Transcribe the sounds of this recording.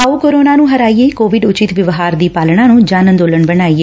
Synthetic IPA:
aːuːkoːɾoːnaːnũːɦəɾaːieːkoːʋɪɖʊt͡ʃɪt̪ʋɪʋɦaːɾd̪iːpaːlɳãːnũːd͡ʒaːnə̃nd̪oːləɳbənaːieː

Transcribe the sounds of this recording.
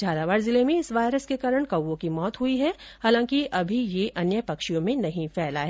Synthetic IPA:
d͡ʒʱaːɾaʋaːɾzɪlemẽɪsʋaːjɾəskekaːɾəɽ̃kɐwːõkimɔːt̪ɦʊiɦɛhaːlãːkiʔɐbʱijeʔʔɐnjəpɐkʃijõmẽnɐɦĩfɛːlaɦɛː

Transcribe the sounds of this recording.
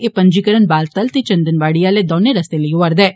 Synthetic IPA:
eːpə̃ɲd͡ʒiːkəɾənbaːlt̪əlt̪it͡ʃə̃nd̪ənʋaːɽijaːleːd̪oːneɾɐst̪eləioəɾd̪ɛː

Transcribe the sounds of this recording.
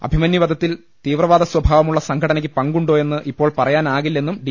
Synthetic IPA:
ɐ̰bʱimɐnːjiʋɐd̪ʱɐt̪ːil | t̪iːʋrɐʋaːd̪ɐswɐbʱaːʋɐmuɭːɐsɐŋkʰɐɽɐnɐk̬ʲːɨpɐŋɡuɳɖo̞ːje̞nːɨʔipːo̞ːɭpɐrɐjaːnaːɣilːe̞nːumɖi

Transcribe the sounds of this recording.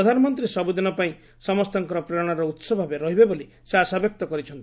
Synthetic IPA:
ɾɔd̪ʱanɔmɔnt̪ɾisɔbud̪inɔpaĩ | sɔmɔst̪ɔŋkɔɾɔpɾeɾɔɽ̃aɾɔut̪sɔbʱɔabeɾɔɦibeboli | seɦasabjɔk̚t̪ɔkɔɾit͡ʃʰɔnt̪

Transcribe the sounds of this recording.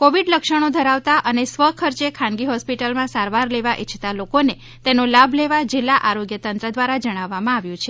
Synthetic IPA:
koʋiɖləkʃəɽ̃od̪ʱəɾaʋt̪aʔənesʋəkʰəɾt͡ʃekʰãnɡiɦɔspiʈəlmãsaɾʋaɾleʋaʔit͡ʃʰt̪alokone | t̪enolabʱleʋad͡ʒilːaʔaɾoɡjət̪ənt̪ɾəd̪ʋaɾad͡ʒəɽ̃aʋːamãaʋjũt͡ʃʰe

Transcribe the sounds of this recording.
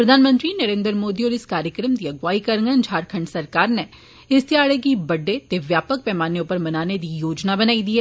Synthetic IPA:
pɾɐd̪ʱaːnmə̃nt̪ɾiːnɐɾẽːnd̪ɾmoːd̪iɔːɾɪskaːɾjəkɾəmd̪iɐɡʋaːikɐɾŋɡə̃nd͡ʒʱaːɾkʰə̃ɳɖsɐɾkaːɾne | ɪst̪iaːɭekibɐɖːet̪eʋjaːpək̚pɛːmaːnjʊpəɾmɐnaːned̪iːjoːd͡ʒnabənaːid̪iːɦɛː

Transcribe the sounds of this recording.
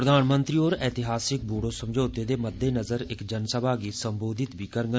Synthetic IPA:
ɾəd̪aːnmə̃nt̪ɾiːoːɾɛːt̪ɪɦaːsɪk̚buːɽoːsəmd͡ʒoːt̪eːd̪eːməd̪ːeːnəzəɾɪkd͡ʒənsəbaːɡiːsəmboːd̪ɪt̪biːkəɾɡə

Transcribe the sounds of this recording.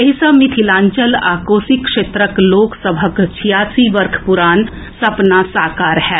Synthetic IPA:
eɦisəbmɪt̪ʰilãːɲt͡ʃəlaːkoːsɪkːʃeːt̪ɾəkloːksəbʱəkt͡ʃʰijaːsiʋəɾkʰpʊɾaːn | sɐpnasaːkaːɾhɛː

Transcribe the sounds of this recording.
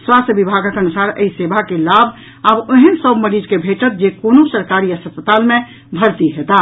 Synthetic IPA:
swast̪əbibʱaɡəkənusaɾə̰isebʱakelabʱ | abəɦənsəbməɾid͡ʒkebʱeʈət̪̚d͡ʒekonosəɾkaɾiəsəspət̪almẽ | bʱəɾt̪iɦɛt̪a

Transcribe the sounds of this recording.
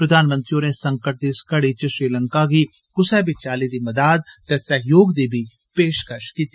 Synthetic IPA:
pɾɐd̪ʱaːnmə̃nt̪ɾijonesɐ̃ŋkəʈ̚d̪iskɐɽit͡ʃəʃɾiːlɐ̃ŋkaɡi | kʊsɛbɪt͡ʃaːlid̪imɐd̪aːd̪̚t̪ɛsɐɦjoːɡd̪eːbʱi | peːʃkəʃkiːt̪i

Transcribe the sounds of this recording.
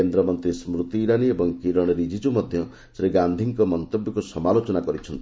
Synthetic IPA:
end̪ɾɔmɔnt̪ɾismɾut̪iːɾaniebɔŋkiɾɔɽ̃ɔɾid͡ʒid͡ʒumɔd̪ʱjɔ | sɾeɡand̪ʱiŋkɔmɔnt̪objɔkusɔmalot͡ʃɔnakɔɾit͡ʃʰɔnt̪i̥

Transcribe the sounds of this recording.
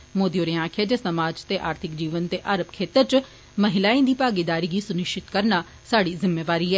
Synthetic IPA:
moːd̪ioːɾeãːkʰed͡ʒesəmaːd͡ʒt̪eːʔaːɾt̪ʰɪkd͡ʒiːʋənt̪eːʔaːɾəbkʰeːt̪əɾt͡ʃ | məɦɪlaːĩːd̪iːpaːɡɪd̪aːɾiːɡiːsʊnɪʃt͡ʃɪt̪kəɾnaː | saːɽiːzɪmːeːʋaːɾiːɦɛː

